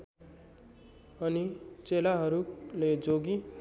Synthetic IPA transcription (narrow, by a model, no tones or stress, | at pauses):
ʌnit͡selaɦʌɾuled͡zoɡi